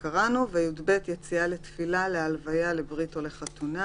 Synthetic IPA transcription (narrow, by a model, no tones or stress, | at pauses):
kaʁanuveajudbet̪jet͡siale̞tfilalealvajale̞bʁitole̞χat̪una